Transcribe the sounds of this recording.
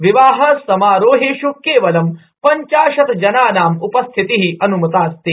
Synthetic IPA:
ʋiʋaːɦɐsɐmaːɾoːɦeːʃukːeːʋɐlɐm | pɐɲt͡ʃaːʃɐt̪d͡ʒɐnaːnaːmupɐst̪ʰit̪iɦiɐnumɐt̪aːst̪eː

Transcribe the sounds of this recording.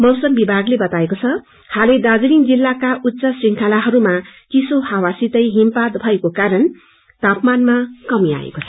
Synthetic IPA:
mʌwsʌmbibʱaɡlebʌt̪aekot͡sʰʌ | haled̪ad͡zuliŋd͡zilːakaʔutːsʌsriŋkʰalaɦʌɾumat͡sisohawasit̪ʌjɦimpad̪bʱʌekokaɾʌn | t̪apmanmakʌmia̰ḛkot͡sʰʌ

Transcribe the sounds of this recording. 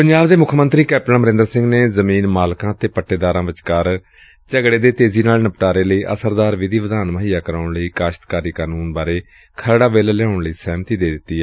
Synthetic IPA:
pəɲd͡ʒaːbd̪eːmʊkʰmənt̪ɾiːkɛːpʈənməɾɪ̃nd̪əɾsɪ̃ŋɡneːzəmiːnmaːlkãːt̪eːpəʈːeːd̪aːɾãːʋɪt͡ʃkəɾ | t͡ʃəɡɽeːd̪eːt̪eːziːnaːlnəpʈaːɾeːləiːʔə̰səɾd̪aːɾʋɪd̪ʱiːʋəd̪aːnməɦiːjaːkəɾaːʊɳləiːkaːʃə̥t̪kaːɾiːkaːnuːnbaːɾeː | kʰəɾɽaːʋeːləlɛʊɳləiːsɛːmt̪iːd̪eːd̪ɪt̪ːiːɛː

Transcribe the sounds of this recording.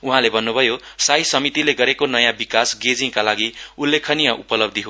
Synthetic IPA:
uɦãlebʱʌnːubʱʌjosajsʌmit̪ileɡʌɾekonʌjãbikasɡed͡zĩkalaɡiulːekʰʌnijʌʔupʌlʌb̚d̪ʱiɦo

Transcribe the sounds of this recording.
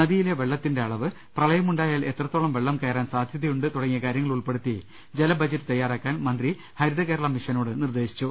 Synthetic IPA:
nɐðijile̞ʋeɭːɐt̪ːinde̞ɐɭɐʋɨ | prɐɭɐjɐmuɳɖaːjaːle̞t̪rɐt̪ːoːɭɐmʋe̞ɭːɐmkeːɾaːnsaːd̪ʱjɐðɐjuɳɖɨt̪uɽɐŋːijɐkaːɾjɐŋːɐɭuɭpe̞ɽut̪ːi | d͡ʑe̞lɐbʱɐd͡ʑɐtːɨ̥t̪ɐjːaːɾaːkːaːnmɐnd̪ri | hɐɾiðɐke̞ːɾɐɭɐmiʂɐnoːɽɨnird̪e̞ːɕi̥t͡ɕːu

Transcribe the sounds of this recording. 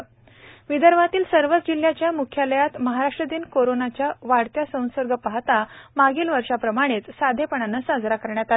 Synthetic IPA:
ʋid̪əɾʋat̪iːlsəɾʋət͡sd͡ʑil̤jat͡ɕjamukʰjaləjat̪məɦaɾaʂʈɾəd̪iːnkoɾonat͡ɕjaʋaɽt̪jasə̃w̃səɾɡʱəpaɦt̪amaɡiːlʋəɾʂapɾəmaɽ̃et͡ssad̪ʱepəɳanːasad͡zɾakəɾɳjat̪a

